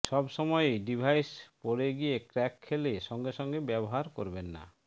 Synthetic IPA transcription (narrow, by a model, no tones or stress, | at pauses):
ʃɔbʃɔmɔjeɖibʱajspoɽeɡiekɾɛkʰːeleʃɔŋɡeʃɔŋɡebɛbɔɦaɾko̰ɾbenːa̰